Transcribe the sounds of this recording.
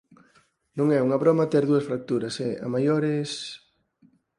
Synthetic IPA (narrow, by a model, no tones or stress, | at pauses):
nũŋɛuŋɐβɾɔmɐt̪ɛɾðuɐsfɾak̚t̪uɾɐsɛa̰majoɾɪs